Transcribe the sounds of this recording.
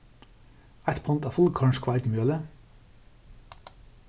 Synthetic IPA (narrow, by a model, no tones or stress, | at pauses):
æt̪pʰɔnt̪ɑːfʊlkʰɑɳʃkʰʋɑɪt̪mjøːlə